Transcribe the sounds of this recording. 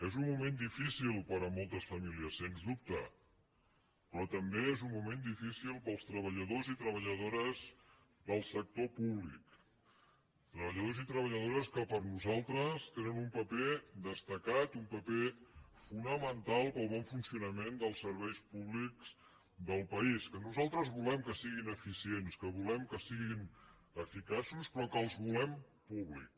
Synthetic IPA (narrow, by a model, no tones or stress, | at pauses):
ezunːumend̪ifisilˠpəɾəmolˠt̪əsfəmiliəsːenzðup̚t̪ə | pɾɔt̪əmbeezummumend̪ifisilˠpəlˠst̪ɾəβ̞əʎəð̞ozit̪ɾəβ̞əʎəðoɾəz | ðəlˠsək̚t̪opuβlik | t̪ɾəβəʎəðozit̪ɾəβəʎəð̞oɾəskəpəɾnuzalˠt̪ɾəst̪enənumpəped̪əst̪əkat̪umpəpefunəmənt̪alˠpəlˠβɔɱfunsiunəmend̪əlˠsəɾβɛjspuβlikz̥ | d̪əlˠpəiskənuzalˠt̪ɾəzβulɛmkəsiɣinəfisienskəβulɛmkəsiɣin | əfikasuspɾɔkəːlˠzβulɛm | puβlik